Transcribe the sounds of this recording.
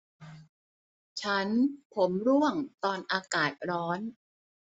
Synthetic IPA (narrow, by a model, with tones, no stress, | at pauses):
t͡ɕʰa˦˥npʰo˩˦mɾu˥˩əŋt̪ɔː˧nʔaː˧kaː˨˩t̪̚ɾɔː˦˥n